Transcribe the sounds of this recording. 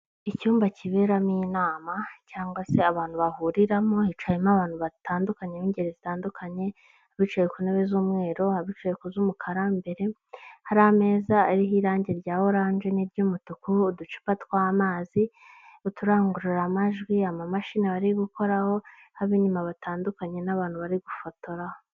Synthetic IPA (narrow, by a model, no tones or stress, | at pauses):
icuːmbaciβe̞ɾamiːnaːmacaːŋɡwase̞aβaːnhuβahuɾiɾamohit͡ʃajimaβaːn̥huβataːndukaɲeiːɲɟeɾezitaːndukʰaɲe̞ | aβit͡ʃejekuneβezuːmŋe̞ːɾo̞haβit͡ʃejekuzumukʰaɾambe̞ɾe̞ | haɾahame̞ːzaaɾiɦiɾaːɲɟe̞ɾɟaːwoɾaːnʒeniɾɟuːmutukuːdut͡ʃi̥patkwaːmaːzi | utuɾaːŋɡuɾiɾamaʒɡwiamamaʃinaβaɾiɡuko̞ɾaho̞ | haβiɲimaβataːndukaɲe̞naβaːn̥huβaɾiɡufoto̞ɾaho